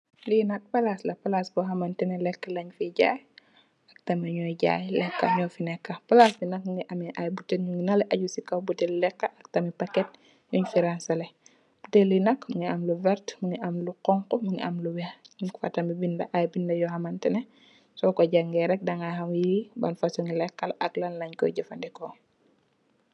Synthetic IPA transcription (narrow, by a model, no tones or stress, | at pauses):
linɐk̚pɐlaslɐpɐlasbɔɦɐmɐntɛnɛlɛkːɐlɐɲfiɟa̰ːj | ɐk̚tɐmiɲɔjɟa̰ːjlɛkːɐ̰ɲɔfinɛkːɐpɐlasbinɐkŋɡiʔɐmiʔajbutːɛnɲuŋinalɛʔɐɟusikɐwbutɛllɛkːɐʔɐk̚tɐmipɐkːɛt̚ | ɲuɲfiɾansɐlɛ | b̥utɛlːinɐkmuŋiɐmluvɛɾtmuŋiʔɐmluqɔŋkɔmuŋḭʔɐmluwɛɲuŋfɐ̰tɐmibindɐʔajbindɐjɔhɐmɐntɛnɛ | sɔkɔɟaŋɡɛɾɛk̚dɐŋahamjiibɐnfasɔŋilɛkːɐlʔɐklanlɐɲkɔ̰jɟɐfɐndɛkɔ